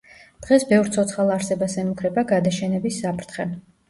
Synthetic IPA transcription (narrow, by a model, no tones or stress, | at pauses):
d̪̥ʁɛsbɛvɾt̪sʰɔt̪sʰχalˠaɾsɛbasɛmukʰɾɛbaɡad̪aʃɛnɛbisːapʰɾt̪ʰχɛ